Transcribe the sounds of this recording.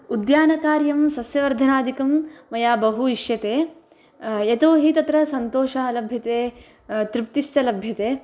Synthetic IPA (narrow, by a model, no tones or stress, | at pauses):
ud̪jaːnɐkaːɾjɐmsɐsjɐʋɐɾd̪ʱɐnaːd̪ʱikɐmːɐjaːbɐɦuiʃjɐt̪eː | jɐt̪oːɦit̪ɐt̪ɾɐsɐnt̪oːʃɐɐlɐbʱjɐt̪eː | t̪ɾipt̪iʂʈɐlɐbʱjɐt̪eː